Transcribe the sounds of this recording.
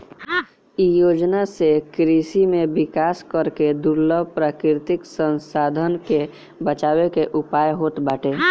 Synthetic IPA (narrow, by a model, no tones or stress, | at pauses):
ijoːd͡ʒnasekɾiːsimẽbɪkaːskəɾked̪ʊɾləbpɾaːkɾɪɾt̪ɪksə̃nsaːd̪ʱənke | bət͡ʃaːwekeʔʊpaːjɦoːt̪baːʈeː